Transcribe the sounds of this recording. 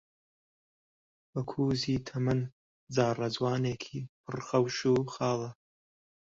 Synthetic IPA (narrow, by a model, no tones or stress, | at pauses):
bɐkʰuːziːt̪ʰɐmɨn | d͡zaːrɐd͡zwaːneːkʰiːpʰɨrxɐwʃuːxɑːlˠɐ